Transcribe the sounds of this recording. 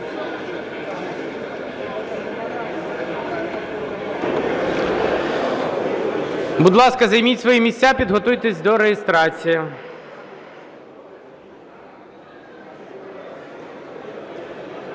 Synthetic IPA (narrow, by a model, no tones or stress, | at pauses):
bud̪lˠɑskɐzɐjmʲitʲsʋɔjimʲisʲtʲapʲid̪ɦɔt̪ujt̪esʲd̪ɔɾejest̪ɾɑt͡sʲijɐ